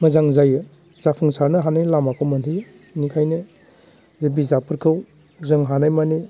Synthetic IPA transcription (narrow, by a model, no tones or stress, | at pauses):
mɐzaŋzajɯ | zapʰɯŋsaɾnɯɦanajlamakʰɔmɐntʰij | nikʰajnɯ | zebizapʰɯɾkʰɯw | zɯŋɦanajmani